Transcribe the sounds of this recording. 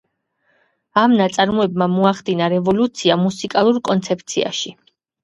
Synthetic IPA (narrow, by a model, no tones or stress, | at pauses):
amnat̪sʼaɾmɔɛbmamɔaχd̪inaɾɛvɔlut̪sʰiamusikʼalˠuɾkʼɔnt̪sʰɛp̚ʰt̪sʰia̰ʃi